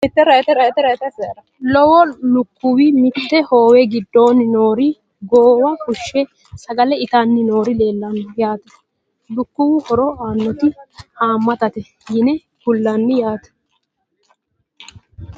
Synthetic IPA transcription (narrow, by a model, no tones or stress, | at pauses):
ɪt̪ːɛɾɐɛt̪ɛɾɐɛt̪ːɛɾɐɛt̪ɐsɛɾɐ | lɔwɔlʊkːʊwɪmɪt̪ːɛho̞ːwɛɡɪd̪ːo̞ːnɪno̞ːɾɪ | ɡoːwɐkʊʃːɛ | sɐɡɐlɛɪt̪anːɪno̞ːɾɪle̞ːlːɐnjaːt̪ɛ̥ | lʊkːʊwɪhɔɾɔaːnːɔt̪ɪhaːmːɐt̪ɐt̪ɛhiːnɛ | kʊlːɐnːɪjaːt̪ɛ̥